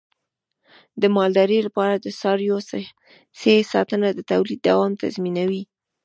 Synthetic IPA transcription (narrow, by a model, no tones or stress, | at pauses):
d̪əmɑld̪ɑɾəlapɑɾad̪əsɑɾjos | sesɑ̰t̪ənad̪ət̪awlid̪ːawɑmt̪a̰zminawi